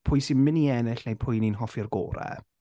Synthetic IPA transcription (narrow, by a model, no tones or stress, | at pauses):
pʰʊjsinmɪniɛnɪɬnejpʰʊjninɦɔfirɡo̰ːɾɛ̰